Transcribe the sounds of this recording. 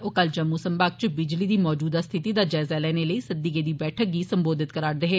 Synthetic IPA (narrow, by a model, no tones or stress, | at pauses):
oːkəld͡ʒəmːuːsəmbaːk̚t͡ʃbɪd͡ʒliːd̪iːmɔːd͡ʒuːd̪aːst̪ʰɪt̪iːd̪aːd͡ʒɛːzaːlɛːneləiːsəd̪ːiːkeːd̪iːbɛːʈʰək̚ɡiːsəmboːd̪ɪt̪̚kəɾaːɾd̪eɦeː